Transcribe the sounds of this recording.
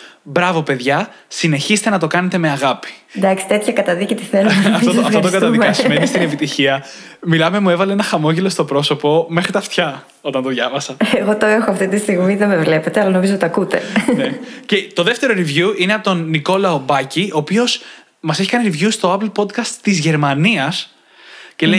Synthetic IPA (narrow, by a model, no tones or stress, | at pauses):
bɾɐvo̞pe̞ðʝɐ | sine̞çise̥t̪e̞nɐt̪o̞kɐne̞t̪e̞me̞ɐɣɐpi̥d̪ɐksi̥t̪e̞t̪çɐkɐt̪ɐðicet̪iθeloɐt̪ofot̪oot̪okɐt̪ɐðikɐsumenist̪inepit̪içiɐ | milɐme̞muevɐleenɐxɐmo̞ʝelo̞st̪o̞pɾo̞so̞po̞me̞xɾit̪ɐft̪çɐ | o̞t̪ɐnt̪oðʝɐvɐsɐeɣo̞t̪oexoɐft̪it̪ist̪iɣmiðemevle̞pet̪eɐlɐno̞mizot̪t̪t̪ɐkut̪enecet̪o̞ðe̞ft̪e̞ɾo̞ɾivjuineɐpot̪onːiko̞lɐobɐcio̞ːpio̞s | mɐse̞çikɐniɾivʝust̪o̞ɐplpo̞d̪kɐst̪t̪ːizʝe̞ɾmɐniɐs | ce̞le